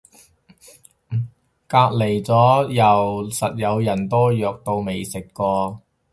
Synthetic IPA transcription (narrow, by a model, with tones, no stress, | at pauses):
kaː˧k̚le˨˩jt͡sɔː˨˥jɐ˨˩wsɐ˨t̚jɐ˨˧wjɐ˨˩nt̪ɔː˥jœː˨k̚t̪o˧wme˨˩jsɪ˨kːɔː˧